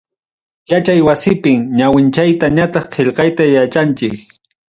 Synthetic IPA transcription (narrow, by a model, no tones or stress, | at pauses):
jat͡ʃajwasɪpɪŋɲawɪnt͡ʃajt̪aɲat̪ɑχqʰeʎqɑjt̪ajat͡ʃant͡ʃɪk